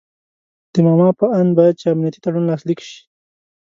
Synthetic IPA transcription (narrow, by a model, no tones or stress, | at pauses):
d̪̥əmɑmɑpəand̪bɑjad̪̚t͡ʃeamnijat̪i̥t̪aɽunlɑslikʃi̥